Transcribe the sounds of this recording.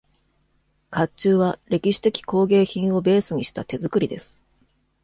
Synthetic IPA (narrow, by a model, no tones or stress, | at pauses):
kat͡ɕɨːβaɾʲe̞kʲiɕi̥t̪e̞kʲi̥ko̞ːɡe̞ːçĩɰ̃o̞be̞ːsɨɲ̟iɕi̥t̪at̪e̞zɨkɯ̟ɾʲid̪e̞sɨ̥